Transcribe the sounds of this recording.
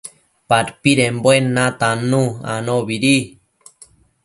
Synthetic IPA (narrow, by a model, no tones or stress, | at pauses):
paɾpiɾembwenːat̪anũa̰noβiɾi